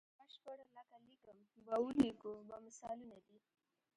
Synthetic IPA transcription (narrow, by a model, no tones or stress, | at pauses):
baʃpəɽalakalikəmbaulikobamɪsalunad̪i